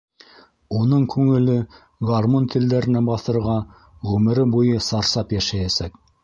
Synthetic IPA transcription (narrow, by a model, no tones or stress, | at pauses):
unɤɴkʉŋɘ̆lɘ | ɡɑrmont̪ʰɘ̆ld̪æɾɘ̆næbɑθɤ̆ɾʁɑ | ʁʉmɘ̆ɾɘbujɤsɑɾsɑpjæʃæjæsæk